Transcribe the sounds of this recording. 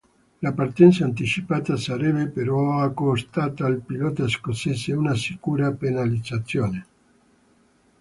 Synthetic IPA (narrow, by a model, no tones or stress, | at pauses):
lapart̪ɛnt̪saːnt̪it͡ʃipaːt̪asaɾɛbepeɾɔakːost̪aːt̪aːlpilɔːt̪askoseːseunasikuːɾapenalid̪zat̪sːjoːne